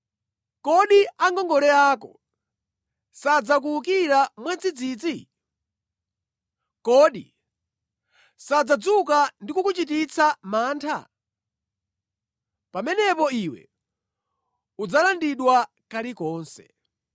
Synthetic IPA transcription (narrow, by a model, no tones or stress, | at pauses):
kɔɗiaŋɡɔŋɡɔɾɛaːkɔ̰ | sad͡zak̬uukiɾamwad͡zid͡ziːd͡zi | kɔɗi | sad͡zad͡zukandikukut͡ʃit̬it͡sʰamaːntʰa̰ | pamɛnɛpɔiwɛ̰ | ud͡zalandiɗwa | kalikɔːnsɛ̥̰